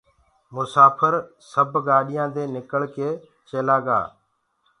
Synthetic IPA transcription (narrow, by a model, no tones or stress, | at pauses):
mʊsaːpʰəɾ | səbʱɡaːɗɪjãːd̪eːnɪkəɭkeː | t͡ʃeːlaːɡa̰ː